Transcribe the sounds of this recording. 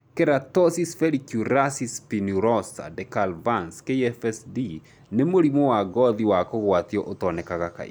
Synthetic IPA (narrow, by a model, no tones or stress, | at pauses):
keɾatɔsisfɛɾikjuɾasispinuɾɔsa̰dɛkalvanskeiɛfɛsdi | nemoɾimowaɡɔðiwakoɣwatiɔʔotɔnɛkaɣaka̰ḭ